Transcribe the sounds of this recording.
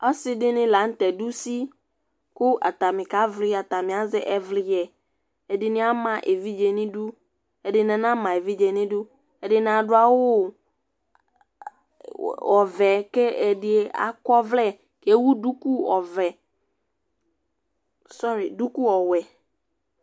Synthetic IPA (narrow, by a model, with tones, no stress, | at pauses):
ɔ˦sɪ˦dɪ˦nɪ̃˦la˨˦n̩˦tɛ˨du˦si˦ | kʊ˦a̰˨t̪a˨mɪ̃˨ka˨˦vlɪ˦a˨ta˨mɪ̃˨a˨˦zɛ˦ʔɛ˦vlɪ˦jɛ˨ | ɛ˨dɪ˨nɪ̃˦a˦mã˨ʔe˨vi˦d͡ʒe˨nɪ̃˦du˦ | ɛ˨dɪ˨nɛ̃˨nã˦mã˨e˨vi˦d͡ʒe˨nɪ̃˦dʊ˦ | ɛ˨dɪ˨n˨a˨dʊ˦a˦wʊ˦ | ɔ˨vɛ˨kɛ˦ɛ˨dɪ˨ɛ˨˦a̰˨kɔ˦vlɛ˦˨ | ke˨˦wu˦du˦ku˦ɔ˨vɛ˨ | sɔ˦ɾi˨du˦ku˦ɔ˨wɛ˨